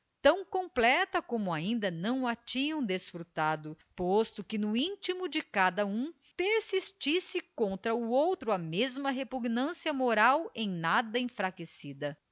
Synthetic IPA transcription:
t̪ɐ̃w̃kõplɛt̪ɐkõmʊaĩnd̪ɐnɐ̃w̃ɐt͡ʃĩɲɐ̃w̃d̪esfɾut̪ad̪ʊpost̪ʊkɪnʊĩt͡ʃimʊd͡ʒɪkad̪ɐũ | peɾsist͡ʃisɪkõnt̪ɾɐuowt̪ɾʊɐmezmɐɦepuɡnɐ̃siɐmoɾawẽj̃nad̪ɐẽfɾakesid̪ɐ

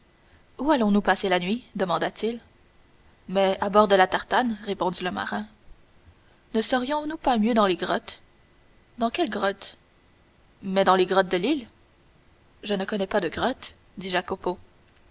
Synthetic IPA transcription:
ualɔ̃nupaselanɥid̪əmɑ̃d̪at̪ʰil | mɛabɔʁd̪əlat̪aʁt̪anʁepɔ̃d̪iləma̰ʁɛ̃ | nəsəʁijɔ̃nupamjød̪ɑ̃leɡʁɔt̪ | d̪ɑ̃kʲɛlɡʁɔt̪ | mɛd̪ɑ̃leɡʁɔt̪̚d̪əlil | ʒənəkɔnɛpad̪əɡʁɔt̪ | d̪iʒakɔpo

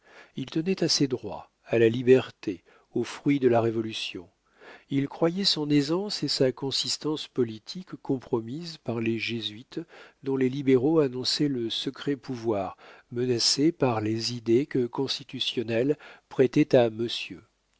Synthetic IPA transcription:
ilt̪ənɛt̪ased̪ʁwa̰ | alalibɛʁt̪e | ofχɥid̪əlaʁevɔlysjɔ̰̃ | ilkχwajɛsɔ̃nezɑ̃sesakɔ̃sist̪ɑ̃spɔlit̪ʰikːɔ̃pχɔmizpaʁleʒezɥit̪d̪ɔ̃lelibeʁoanɔ̃sɛləsəkχɛpuvwaʁmənasepaʁlezid̪ekəkɔ̃st̪it̪ysjɔnɛlpχɛt̪ɛt̪aməsjø

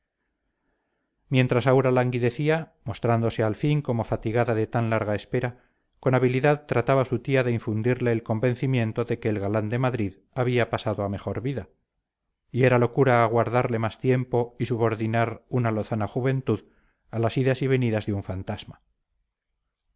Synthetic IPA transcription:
mje̞nt̪ɾasawɾalaŋɡiðe̞θiamo̞st̪ɾand̪ose̞alfiŋko̞mo̞fat̪iɣaðaðe̞t̪anlaɾɣae̞spe̞ɾa | ko̞naβiliðaðt̪ɾat̪aβasut̪iaðe̞iɱfund̪iɾle̞ːlko̞mbe̞n̟θimjẽ̞nt̪o̞ðe̞ke̞ːlɣaland̪e̞maðɾið | aβiapasaðo̞ame̞xo̞ɾβiða | ie̞ɾalo̞kuɾaːɣ̞waɾðaɾle̞mast̪je̞mpo̞isuβo̞ɾðinaɾunalo̞θanaxuβe̞nt̪uð | alasiðasiβe̞niðazðeuɱfant̪az̥ma

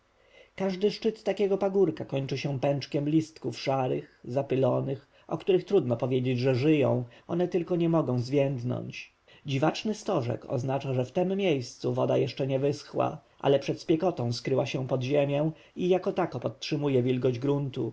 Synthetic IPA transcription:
kaʐd̪ɘʂt͡ʂɘt̪ːakʲɛɡɔpaɡuɾkakɔɲt͡ʂɘɕɛ̃pɛnt͡ʂkʲɛmlʲist̪kufʂaɾɘxzapɘlɔnɘx | ʔɔ̰kt̪uɾɘxt̪ɾud̪nɔpɔvʲjed͡ʑed͡ʑʐɛʐɘjɔ̰̃w̃ʔɔnɛt̪ɘlkɔɲɛmɔɡɔ̃w̃zvʲjɛnd̪nɔ̰ɲt͡ɕ | d͡ʑivat͡ʂnɘst̪ɔʐɛ̰kɔ̰znat͡ʂaʐɛft̪ɛmːʲjejst̪suvɔd̪ajɛʂt͡ʂɛɲɛvɘsxwa̰ʔa̰lɛpʂɛt̪spʲjɛkɔt̪ɔ̃w̃skɾɘwaɕɛ̃pɔd̪ʑemʲjɛ̃ | ijakɔt̪akɔpɔt̪̚tʂɘmujɛvʲjilɡɔʑd͡ʑɡɾunt̪u

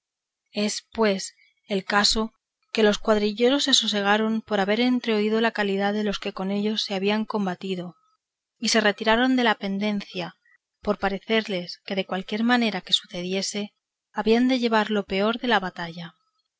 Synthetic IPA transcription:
e̞spwe̞s | e̞lkaso̞ | ke̞lo̞skwaðɾiʎe̞ɾo̞sːe̞suse̞ɣ̞aɾo̞mpo̞ɾaβe̞ɾe̞nt̪ɾe̞oiðo̞lakaliðaðe̞lo̞ske̞ko̞ne̞ʎo̞sːe̞aβiaŋko̞mbat̪iðo̞ | ise̞re̞t̪iɾaɾo̞nd̪e̞lape̞nd̪e̞n̟θja | po̞ɾpaɾe̞θe̞ɾle̞ske̞ðe̞kwalkje̞ɾmane̞ɾake̞suθe̞ðje̞se̞ | aβiand̪e̞ʝe̞β̞aɾlo̞pe̞o̞ɾðe̞laβat̪aʝa

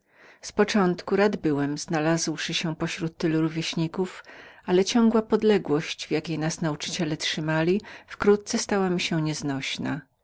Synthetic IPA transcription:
spɔt͡ʂɔnt̪kuɾad̪bɘwɛmz̥nalazwʂɘɕɛpɔɕɾut̪ːɘluɾuvʲjɛɕɲikufalɛt͡ɕɔ̃ŋɡwapɔd̪lɛɡwɔɕt͡ɕvjakʲejnasnaut͡ʂɘ̥t͡ɕɛlɛtʂɘmalʲifkɾut̪̚t̪sɛst̪awamʲiɕɛɲɛznɔɕna̰

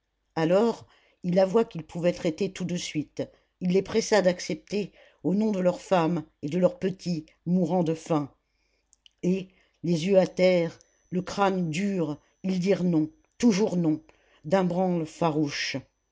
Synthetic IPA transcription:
alɔʁ | ilavwakilpʰuvɛt̪χɛt̪et̪ud̪əsɥit̪ | ilːepχɛsad̪aksɛp̚t̪e | onɔ̃d̪əlœʁfamed̪əlœʁpət̪ʰi | muʁɑ̃d̪əfɛ̃ | e | lezjøat̪ɛʁ | ləkχand̪yʁ | ild̪iʁnɔ̃ | t̪uʒuʁnɔ̃ | d̪ɛ̃bʁɑ̃lfaʁuʃ

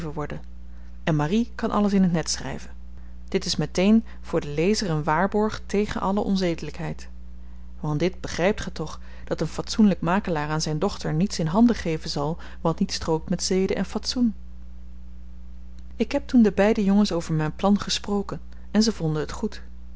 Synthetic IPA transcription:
vəʋɔɹdən | ɛnmarikɑnʔɑ̰ləsɪnɦətnɛtsχrɛ̰jvən | d̥ɪtɪsmɛtejn | v̥ʊːɹdəlejzərənʋaːɹbɔɹχtejχənʔɑləʔɔ̰nzejdələkɦɛjt | ʋɑntdɪd̚bəχrɛjp̚tχətɔχ | d̥ɑtənfɑtsunləkmaːkəlaːɹaːnzɛjndɔχtəɹnitsɪnɦɑndəχejvənzɑlˠ | ʋɑtnitstrowk̚tmɛtsejdəʔɛnfɑtsun | ɪkɦɛp̚tundəbɛjdəjɔŋənsowvəɹmɛjnplɑnχəsprowkən | ɛnzəvɔndənɦətχut

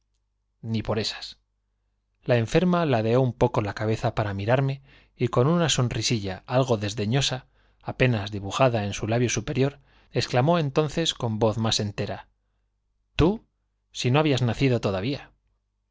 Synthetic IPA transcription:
nipo̞ɾe̞sḁs | lae̞ɱfe̞ɾmalaðe̞o̞umpo̞ko̞lakaβe̞θapaɾamiɾaɾme̞ | iko̞nunaso̞nrisiʎaalɣ̞o̞ðe̞zðe̞ɲo̞saː | pe̞nazðiβuxaðae̞nsulaβjo̞supe̞ɾjo̞ɾ | e̞sklamo̞e̞nt̪o̞nθe̞sko̞mbo̞θmase̞nt̪e̞ɾa | t̪u | sino̞aβiaznaθiðo̞t̪o̞ðaβia

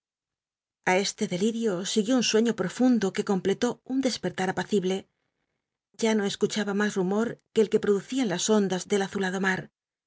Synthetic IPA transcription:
ae̞st̪e̞ðe̞liɾjo̞siɣjo̞unswe̞ɲo̞pɾo̞fund̪o̞ke̞ko̞mple̞t̪o̞und̪e̞spe̞ɾt̪aɾapaθiβle̞ | ɟ͡ʝano̞e̞skut͡ʃaβamasrumo̞ɾke̞ːlke̞pɾo̞ðuθianlaso̞nd̪azðe̞laθulaðo̞maɾ

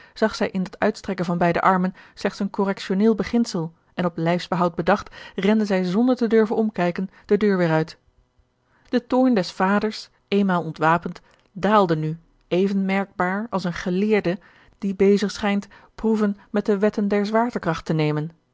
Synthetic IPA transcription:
z̥ɑχsɛjʔɪndɑtœ̰ɥtstrɛkənvɑnbɛjdə̰ʔɑɹmənslɛχtsənkɔrɛkʃonɪːlˠbəχɪnsəlˠ | ʔɛnɔplɛjfzbəɦɑwt̚bədɑχtrɛndəzɛjzɔndəɹtədøɹvənɔmkɛjkənd̥ədøːɹʋɪːɾœɥt | d̥ətoːɹndɛsfaːdəɹs | ʔejnmaːlˠɔntʋaːpənt | daːlˠdəny | ejvənmɛɹɡ̚baːɹɑ̰lˠsənχəlɪːɹdə | d̥ibejzəχsχɛjntpruvənmɛt̚dəʋɛtəndɛɹzʋaːɹtəkrɑχtənejmən

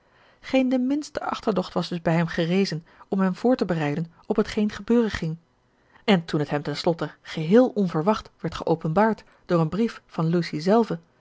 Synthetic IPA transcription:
χejndəmɪnstəʔɑ̰χtəɹdɔχtʋɑzdɵzbɛjɦɛmχərejzən | ɔmɦɛmv̥ʊːɹtəbərɛjdən | ɔpɦətχejnχəbøːrəχɪŋ | ɛntunɦətɦɛmtɛnslɔtəχəɦɪːlˠɔnvəɹʋɑχtʋɛɹtχəʔowpənbaːɹt | d̥ʊːɹənbriffɑnlusizɛlˠvə

